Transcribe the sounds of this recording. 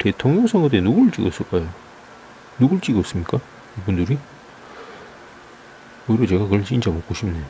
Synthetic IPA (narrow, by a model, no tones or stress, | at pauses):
te̞tʰoŋɲoŋsʰʌŋɡʌt̬͈enuɡɯɭt͡ɕ͈ḭɡʌs͈ɯɭk͈ajo | nuɡɯɭt͡ɕ͈iɡʌs͈ɯmɲik͈a | ibundɯɾi | oiɾʌt͡ɕe̞ɡakɯɭt͡ɕint͡ɕ͈amok͈oɕʰimnejo